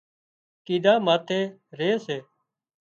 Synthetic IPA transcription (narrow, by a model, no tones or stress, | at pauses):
kiːɗ̪ãːmaːt̪ʰeːɾeːseː